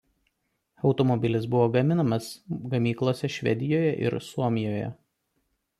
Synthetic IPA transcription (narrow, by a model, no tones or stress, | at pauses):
ɒʊt̪ɔmɔbʲɪlʲɪsbʊʋoːɡɐmʲɪnɐmɐsɡɐmʲiːklˠoːsʲɛʃʲʋʲɛ̰d̪ʲɪjoːjɛʔɪ̰ɾsuɔmʲɪjoːjɛ̰